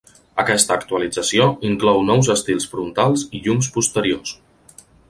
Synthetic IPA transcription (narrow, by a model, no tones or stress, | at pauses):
əkɛst̪əːkt̪uəlid͡zəsioiŋklɔwnɔwzəst̪ilˠsfɾunt̪alˠziʎumspust̪əɾios